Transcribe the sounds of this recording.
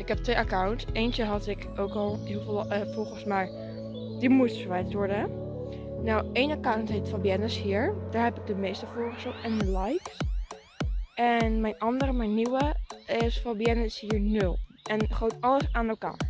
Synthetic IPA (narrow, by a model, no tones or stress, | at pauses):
ɪkɛp̚tʋejʔakawntsejnt͡ʃəɦɑtɪk | oːkɔlˠɦiflˠfɔlˠχənsmaj | d̥imutfəɹʋɛjtʋɔɹdə | nawejnakawntɦetfabjɛnəshiːəɹd̥aːɹɦɛpɪɡ̚dəmejstəfʊːɹəsɔtɛnəlajks | ɛnmɛjnɑndəɾəmaniwəɪsfɔbiɛnəɪshiːəɹnɵlˠʔɛnχowtɑləsaːnəlka̰ː